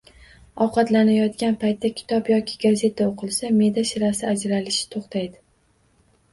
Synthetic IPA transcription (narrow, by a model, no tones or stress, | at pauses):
ɒwqɑt̪lanajɒt̪kʲanpʰajt̪ːakʲʰɪ̥t̪ʰɒpjɒkʲʰɪ̥ɡaze̞t̪ʰaoqʰɨlˠsame̞d̪aʃɪɾasɪad͡ʒɾalɪʃɪ̥t̪ʰoχt̪ʰajd̪ɪ